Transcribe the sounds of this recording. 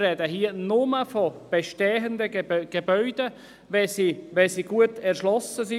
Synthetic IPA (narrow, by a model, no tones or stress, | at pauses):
rɛdəɦiənʊməfɔb̥eʃtɛːɦənd̪əɡ̥ebœʏd̥ə | ʋɛsiʋɛsiɡ̥uətʰɛɾʃlɔsəsi